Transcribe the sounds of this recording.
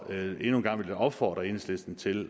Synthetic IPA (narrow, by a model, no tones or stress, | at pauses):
e̝nuːnɡ̥ɑ̈ŋ̰ʋeld̥æɒ̽b̥fɒ̰ːd̥ʁɐe̝nsle̝sd̥n̩t͡sʰe̝l